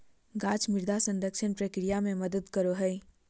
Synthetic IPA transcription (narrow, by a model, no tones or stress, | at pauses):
ɡaːt͡ʃmɪɾd̪asə̃nd̪əkʃɪnpɾəkɾijamẽmɐd̪əd̪kəɾoɦəj